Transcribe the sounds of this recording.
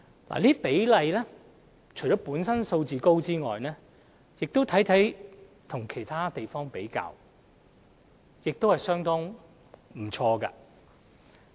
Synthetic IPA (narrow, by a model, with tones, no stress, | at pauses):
la̰ː˨liː˥pe˨˥jlɐ˨˧jlɛː˥ | t͡ʃʰɵ˨˩t͡ʃɔː˨˥puː˨˥nsɐ˥nso˧wt͡siː˨ko˥wt͡siː˥ŋɔː˨jnɛː˥ | jɪ˨k̚t̪o˥wt̪ʰɐ˨˥jt̪ʰɐ˨˥j | t̪ʰʊ˨˩ŋkʰe˨˩jt̪ʰaː˥t̪e˨jfɔː˥ŋpe˨˥jka̰ː˧w | jɪ˨k̚t̪o˥whɐ˨jsœː˥ŋt̪ɔː˥ŋ | m̩˨˩t͡ʃʰɔː˧ka̰ː˧